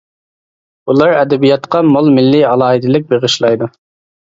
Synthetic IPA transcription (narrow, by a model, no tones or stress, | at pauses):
ulˠɑɾɛd̪ɛbijɑt̪qɑmolˠmɪlːiɑlˠɑːɦid̪ɪlɪk̚ʲbeʁɨʃlˠɑjd̪u